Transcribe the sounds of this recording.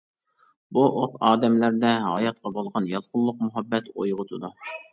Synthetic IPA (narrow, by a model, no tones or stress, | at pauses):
buʔot̪ɑːd̪ɛmlæɾd̪ɛɦɑjɑt̪̚qʰɑbolˠʁɑnjɑlˠqʰʊlˠːʊq̚mʊɦɑbːɛt̪o̰jʁʊt̪ʰʊd̪u